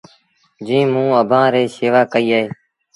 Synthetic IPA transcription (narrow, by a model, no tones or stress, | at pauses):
d͡ʒĩːmũːəbʱãːɾeːseːʋaːkəiːaːɦeː